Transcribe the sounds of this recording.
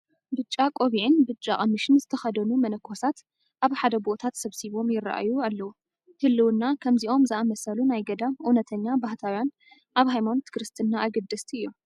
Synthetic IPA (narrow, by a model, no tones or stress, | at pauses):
bɨt͡ʃʼːakʼo̞βiʕɨnbɨt͡ʃʼːaʔʼɐmːɨʃɨnzɨt̪ʰɐxɐd̪ɐnumɐnɐkʰːosat̪ | ʔaβħad̪ɐbo̞t̪ʰat̪sɐβsiβo̞mjɪrːa̰ʔa̰jualːɐwu | hɨlːɨwɨnːakʰɐmziʔo̞mzɨamɐsɐlunajɡɐd̪amʔunɐt̪ʰɐɲːabaht̪ʰawjan | ʔaβɦajmant̪ʰɨ̥kɾɨst̪ʰɨnːaʔːɡɨd̪ːɐst̪ʰiɨjːu